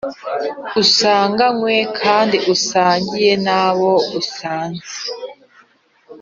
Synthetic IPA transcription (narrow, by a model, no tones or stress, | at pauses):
usaːŋɡaŋwekʰaːndiʔusaːɲɟijenaβo̞usaːnze̥